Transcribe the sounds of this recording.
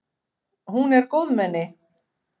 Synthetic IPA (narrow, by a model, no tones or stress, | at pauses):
hunɛɾkoːwðmɛnːɪ